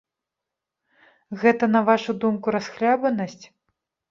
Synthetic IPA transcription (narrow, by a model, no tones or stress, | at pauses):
ɣɛt̪ɐnɐvaʂud̪umkuɾasxlʲabɐnɐsʲt͡sʲ